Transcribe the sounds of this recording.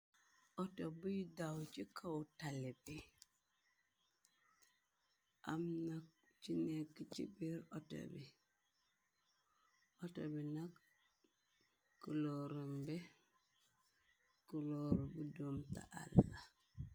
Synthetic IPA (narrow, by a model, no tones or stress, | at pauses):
ʔɔtɔbujidawt͡ʃikawtalɛbi | ʔamnak̚ | t͡ʃinekːit͡ʃḭbiɾɔtɔ̰bi | ʔɔtɔ̰binak | kːuloɾumbɛ | kuloɾubudomta̰ʔa̰lːa